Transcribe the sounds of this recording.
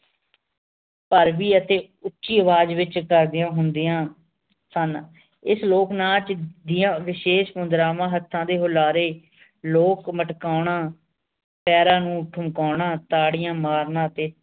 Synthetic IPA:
pəɾʋiːət̪eː | ʊtːʃiːəʋaːd͡ʒʋɪt͡ʃkəɾd̪ɪjãːɦʊnd̪ɪːãː | sən | ɪsloːknãːt͡ʃd̪ɪjãːʋɪʃeːʃmʊnd̪ɾãːʋãːɦət̪ʰːãːd̪eːɦʊlaːɾeː | loːkməʈkaːʊɳãː | pɛːɾãːnũːʈʰʊmkaːɳãːt̪aːɽɪjãːmaːɾnãːt̪eː

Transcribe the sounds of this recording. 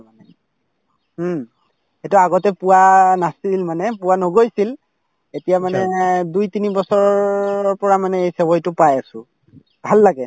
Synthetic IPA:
anɛ | xetʊaɡɔtɛpʊwanasilmanɛpʊwanoɡojsil | etijamanɛdujtinibɔsɔɹɔɔɹpɔɹamanɛejsebɔjtʊpajasʊ̃ | bʱalːaɡɛ

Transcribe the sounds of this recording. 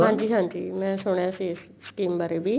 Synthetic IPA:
ɦãːɲd͡ʑiːɦãːɲd͡ʑḭːmɛ̃soɳ̃jases | skiːmbaɾebʱi

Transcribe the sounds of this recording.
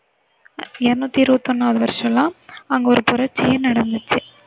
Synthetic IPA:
ɛɾɯnuːt̪ːiɪɾɯbɐt̪ːɔnːaːʋɐðɯʋɐɾɪʂɐ̃lãːɐŋɡeɔɾɯpʊɾɐɾt͡ʃːɪjenɐɽɐnd̪ɯt͡ʃːɯ

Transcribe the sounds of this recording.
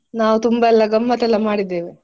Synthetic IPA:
naːʋut̪umbaɛlːɐɡɐmːɐt̪ɛlːɐmaːɽid̪ːeːʋe

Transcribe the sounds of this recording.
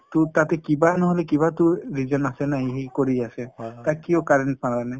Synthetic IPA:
t̪ut̪at̪ɛkibanɔɦɔlek̬iβat̪uɾid͡ʒɔnasenaɦĩɦikoɾiaset̪akiokaɾenʈ̚pananai

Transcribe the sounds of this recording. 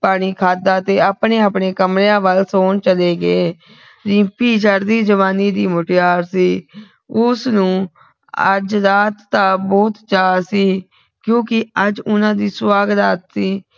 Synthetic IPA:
paːɽ̃iːkʰaːd̪aːt̪eːapɳeːəpɳeːkəmɾejãːʋəlsoːɳt͡ʃəleːɡeː | ɾĩːpiːd͡ʒəɾd̪iːd͡ʒəʋaːniːd̪iːmʊʈɪjaːɾsiː | ʊsnũː | ə̰d͡ʒɾaːt̪ːaːbɔːt̪t͡ʃaːsiː | kjõːkɪəd͡ʒʊnãːd̪iːswaːɡt̪aːt̪siː

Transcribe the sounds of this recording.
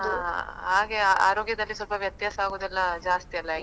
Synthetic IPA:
ɦaɦaːɡeaa̰ːɾoːɡjɐd̪ɐlːisɔlpɐʋjɐt̪jaːsɐaːɡoːd̪ɛlːɐd͡ʒaːst̪iɐlːɐ

